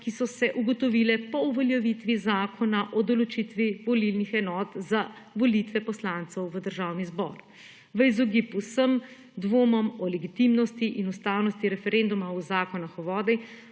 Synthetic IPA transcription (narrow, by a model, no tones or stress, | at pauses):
kisɔsɛʔuɡɔt̪ɔʋilɛpɔuʋɔljɛʋit̪ʋizaːkʰɔnaʔɔd̪ɔlɔt͡ʃit̪ʋiʋɔlilnixɛnɔːt̪za | ʋɔlit̪ʋɛpɔslant̪sɛwʋəd̪əɾʒaːwnizbɔ̰ɾ | ʋəizɔɡipwsəm | d̪ʋoːmɔmɔlɛɡit̪imnɔst̪iʔinust̪aːwnɔst̪iɾɛfɛɾend̪umaɔzaːkɔnaxɔʋɔːd̪ɛj